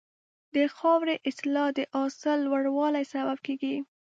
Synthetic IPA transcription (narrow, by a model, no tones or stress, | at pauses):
d̪əxɑwɾeʔɪslɑd̪əʔɑsəlːwaɽwɑlajsabab̚keɡi